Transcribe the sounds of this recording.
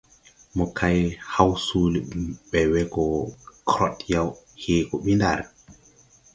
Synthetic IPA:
mɔkʰajhawsuliɓɛwɛɡɔkʰɾɔtjawheːkɔɓinda̰ɾɛ

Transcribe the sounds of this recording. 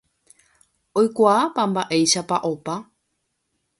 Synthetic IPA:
ojkʷaːpambaʔe̞jʃapaʔo̞pa

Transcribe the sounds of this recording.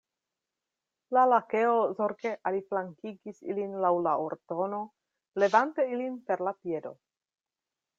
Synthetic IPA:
lalakeozoɾkeʔaliflaŋkiɡisḭlinlawlaoɾto̞no̞ | le̞vante̞ilinpe̞ɾlapie̞do̞̰

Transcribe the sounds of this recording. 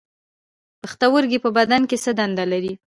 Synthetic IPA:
pəxt̪awəɾɡepəbad̪ankesəd̪and̪alaɾi

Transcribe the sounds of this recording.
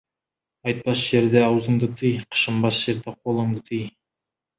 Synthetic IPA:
ɑjt̪̚pɑsʒ̥e̞ɾd̪eɑwzəɴd̪ət̪ʰijqʰə̥ʃəmbɑsʒ̥e̞ɾd̪eqʰolˠəɴd̪ət̪ʰij

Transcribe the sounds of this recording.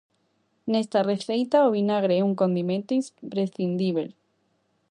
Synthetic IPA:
nest̪areθɾejt̪aoβinaɣɾeuŋko̞nd̪imẽnt̪oipɾesθind̪iβel

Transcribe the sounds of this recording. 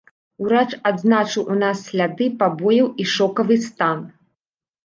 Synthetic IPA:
uɾat͡ʂad̪znat͡ʂɨwʔunasːlʲad̪ɨpabɔjɐwiʂɔkɐvɨst̪an

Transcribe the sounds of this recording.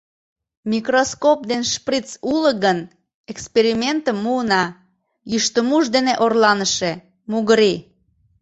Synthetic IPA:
mʲikroskop̚d̪enʃprit͡suləɣən | ekspeɾimʲent̪əmːuənɑ | jyʃt̪əmuʃd̪eneʔorlɑnəʃe | muɣəɾi

